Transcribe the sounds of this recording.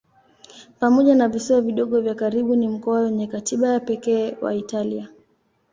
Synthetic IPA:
pamɔʄanavisiwaviɗɔɠɔvjakaɾiɓunim̩kɔawɛɲɛkatiɓajapɛkɛːwa̰italia

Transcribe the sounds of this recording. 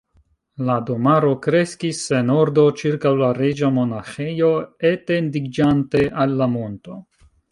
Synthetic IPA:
lado̞maɾo̞kɾe̞skisːe̞no̞ɾdo̞t͡ʃiɾkawlaɾe̞d͡ʒamo̞naxe̞jo̞etendiɡd͡ʒante̞ʔalːamo̞nto̞

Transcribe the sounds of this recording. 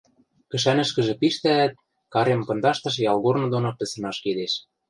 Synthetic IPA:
kɘ̆ʃ̬ænɘ̆ʃkɘ̆ʒĕpiʃt̪æːt̪̚ | kɑɾempɤ̆nd̪ɑʃt̪ɤ̆ʃ̬jɑlˠɣornɤ̆d̪onopɘ̆sɤ̆nɑʃked̪eʃ

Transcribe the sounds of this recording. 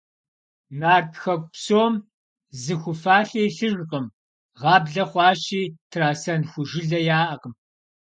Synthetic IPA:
naːrtxɐk̚ʷʼpsoːm | zɨxʷʊfaːɬeːɬɨʒqʼəm | ʁɑːbɮɐχʷɑːʃiːtʰraːsɐnxʷʊʒɪɮɐjaːʔɐqəm

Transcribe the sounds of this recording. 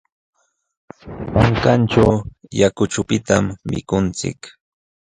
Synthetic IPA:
maŋkant͡ʃawjakʊt͡ʃʊpɪt̪amːɪ̰kʊnt͡sɪ̰k

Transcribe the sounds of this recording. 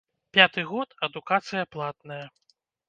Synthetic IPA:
pʲat̪ɨɣɔt̪ɐd̪ukat̪sɨjɐplˠat̪nɐjɐ

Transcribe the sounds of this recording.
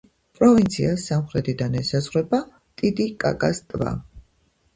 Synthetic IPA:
pʼɾɔvint̪sʰiasːamχɾɛt̪ʰid̪anɛsazʁwɛba | t̪ʼid̪ikʼa̰kʼast̪ʼva̰

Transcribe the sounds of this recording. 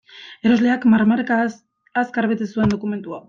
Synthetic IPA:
e̞ɾo̞zle̞akmaɾmaɾkaː | skaɾβet̪esue̞nd̪okume̞nt̪ua

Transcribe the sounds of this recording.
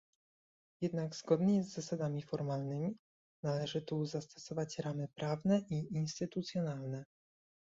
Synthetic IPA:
jɛd̪naɡz̥ɡɔd̪ɲɛzːasad̪amʲifɔɾmalnɘmʲi | nalɛʐɘt̪uzast̪ɔ̥sɔvat͡ɕɾamɘpɾʔavnɛʔiinst̪ɘt̪ut̪sʲjɔnalnɛ

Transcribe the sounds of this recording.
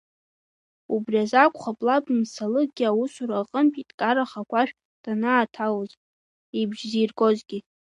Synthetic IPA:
ubriazakʷʰʼχabʼlapʼmsalɨɡʲiawʊsuɾaqʼəmpʼitʼkʼaɾaχakʷʰaʃᶣ | d̥anaːtʰawzʼ | ibʒziːrkʼo̞zɡʲi

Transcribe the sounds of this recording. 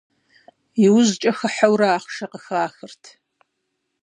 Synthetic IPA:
ɪwʊzt͡ʃʼɐxɐħawɾaaːχʃɐqəxaːxɨrtʰ

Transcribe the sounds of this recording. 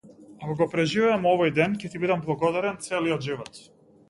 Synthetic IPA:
akɔɡɔpɾɛʒivɛamɔvɔjd̪ɛncɛt̪ibid̪amblˠaɡɔd̪aɾɛnt̪sɛliɔd̪ʒivɔt̪

